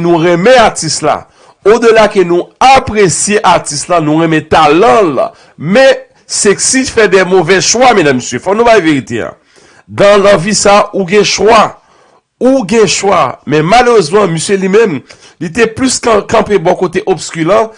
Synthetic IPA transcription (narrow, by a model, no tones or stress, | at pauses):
nũʁɛmɛ̃atistla̰ | od̪ølakønũapʁesjeʔaʁtist̪lanũʁɛ̃mɛ̃t̪alɑ̃l | mɛ̃ | seksifɛd̪ɛmovɛʃwamɛ̃d̪ãmːəsjøfɔnũbajveʁit̪ḛa̰ | d̪ãlãvisauɡɛ̃ʃwa | uɡɛ̃ʃwamɛ̃maløʁøzmɑ̃məsjølimɛ̃m | lit̪ɛplyskkɑ̃pebɔkot̪eʔobskylã